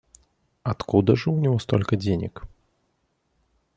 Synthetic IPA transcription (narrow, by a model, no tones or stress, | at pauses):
ɐt̪kud̪əʐɨʊnʲɪvɔst̪olʲkəd͡zʲenʲɪ̰k